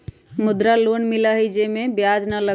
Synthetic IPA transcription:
mʊd̪ɾaloːnmɪlaɦid͡ʒemẽbjaːd͡ʒnələ

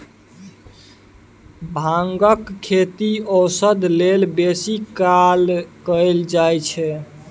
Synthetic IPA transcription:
bʱaŋɡəkʰːet̪iəwsəd̪ʱlelbesikalkəeld͡ʒajt͡ʃʰɛ

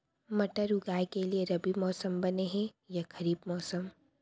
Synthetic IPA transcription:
mɐʈəɾʊɡaːekelieɾɐbimɔːsəmbɐneɦɛ̃ | jakʰɐɾiːbmɔːsəm

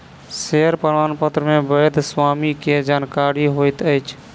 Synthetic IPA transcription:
seəɾpəd̪aːnpət̪ɾəmẽbəjd̪ʱswamiked͡ʒaːnkaɾiɦoɪt̪əɪt͡ʃʰ

